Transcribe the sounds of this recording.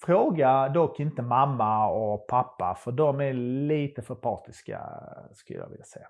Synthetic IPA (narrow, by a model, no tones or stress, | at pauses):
fɾoːɡad̪ɔkːɪnt̪əmamːaɔpʰapːa̰fœɖɔmæliːt̪əfœɾpʰɑːʈɪska̰skɵləjɑ̰ɡʋɪ̰ljasɛjːa